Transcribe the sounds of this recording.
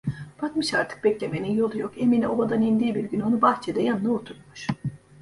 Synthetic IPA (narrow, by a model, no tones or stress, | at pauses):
b̥at̪mɯʃaɾt̪ʰɯ̥k̚bɛclʲe̞me̞ninjo̞lˠujo̞ke̞mino̞bad̪anind̪iːbiɾɟʲyno̞nubaxt͡ʃʰed̪ɛjannɯoɾt̪ʰuɾt̪̚muʃ